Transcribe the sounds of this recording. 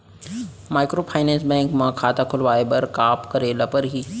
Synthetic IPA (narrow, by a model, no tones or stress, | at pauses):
maːjkɾoːpʰaːjnɛ̃ːnsbɛ̃ŋkmãkʰaːt̪akʰʊlʋaːebəɾkaːpkəɾelɐpəɾɦiː